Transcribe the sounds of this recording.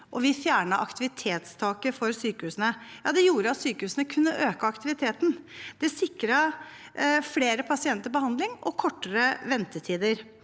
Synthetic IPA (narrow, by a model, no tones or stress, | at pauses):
ʔɔʋɪfjæːɳəʔɑ̰kt̪ɪʋɪt̪ʰeːt̪st̪ʰɑːkəfɔɾsyːkəhʉːsənəjɑːd̪ɛjuːɾəɑt̪syːkəhʉːsənəkʰʉnːəʔøːkəɑkt̪ɪʋɪt̪ʰeːt̪n̩d̪̥ɛsɪkɾɑ | fleːɾəpʰɑsɪɛnt̪əbəhɑnd̪lɪŋʔɔkʰɔʈːəɾəʋɛnt̪ət̪ʰiːd̪əɾ